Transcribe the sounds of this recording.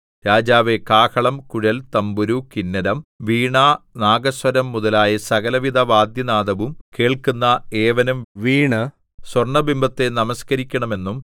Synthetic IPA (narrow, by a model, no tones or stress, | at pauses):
ɾaːd͡ʑaːʋe̞kaːkʰɐɭɐmkuɻɐlt̪ɐmbuɾukinːɐɾɐmʋiːɳaːnaːɡɐswɐɾɐmːuðɐlaːjɐsɐɣɐlɐʋid̪ʱɐʋaːd̪jɐnaːd̪ɐʋumkeːɭkunːɐeːʋɐnumʋiːɳɨ | swɐrɳɐbimbʱɐt̪ːe̞nɐmɐskɐɾikʲːɐɳɐme̞nːum